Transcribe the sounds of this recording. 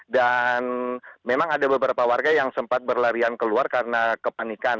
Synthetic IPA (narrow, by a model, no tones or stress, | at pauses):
danmemaŋadabəbəɾapawarɡajaŋsəmpat̪̚bərlaɾiankəluarkaɾənakəpanikan